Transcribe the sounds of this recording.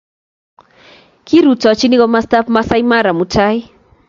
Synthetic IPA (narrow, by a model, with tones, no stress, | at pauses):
ki˦ɾu˨tɔ˨a˨t͡ʃi˦ni˦kɔ˦ma˦sta˦pma˦sa˦ima˦ɾa˨mu˨tʰa˦ɪ˦